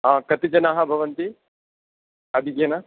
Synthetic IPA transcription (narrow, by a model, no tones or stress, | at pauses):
ɦãːkɐt̪id͡ʒɐnaːɦɐbʱɐʋɐnt̪i | ɐd̪ʱiɡjɐnɐ